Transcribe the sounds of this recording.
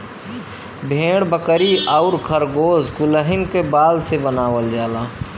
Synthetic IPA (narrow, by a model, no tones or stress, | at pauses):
bʱẽːɽbəkəɾiʔaʊɾkʰəɾɡoːzkʊləɦɪnkebaːlsebənaːʋəld͡ʒaːlaː